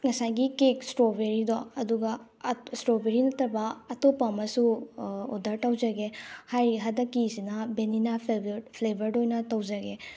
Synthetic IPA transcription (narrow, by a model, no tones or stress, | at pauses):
ŋɐsajɡikeksʈɾobeɾid̪ɔɐd̪uɡa | sʈɾobeɾinɐt̪ɐɾbaːtopamɐsuodɐɾtɐwzaɡehajɾiɦɐd̪ɐkːisinabeninapʰepʰlebʱɐɾdojnɐtɐwzaɡe